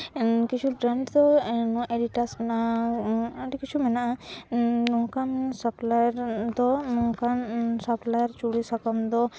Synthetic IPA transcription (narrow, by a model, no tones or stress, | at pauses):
kit͡ʃʰubɾaɳɖd̪ɔnɔ̃ʔeɖiʈaɾsmɛna | aɖikit͡ʃʰumɛnaʔa | nɔkansɔplajɾd̪ɔnɔŋkansaplajaɾt͡ʃuɽisakɔmd̪ɔ